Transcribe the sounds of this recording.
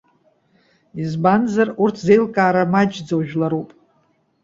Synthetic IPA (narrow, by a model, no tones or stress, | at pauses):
izbanzarurtʰzejlkʼaːɾamad͡ʒd͡zowʒᶣlaɾupʼ